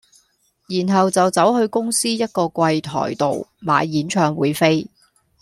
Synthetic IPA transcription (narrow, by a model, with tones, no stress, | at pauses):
jiː˨˩nɦɐ˨wt͡sɐ˨wt͡sɐ˨˥whɵ˧ɥkʊ˥ŋsiː˥jɐ˥t̚kɔː˧kʷɐ˧jt̪ʰɔ̰ː˨˩jt̪o̰˨wma̰ː˨jːiː˨˥nt͡ʃʰœː˧ŋwuː˨˧jfe˥j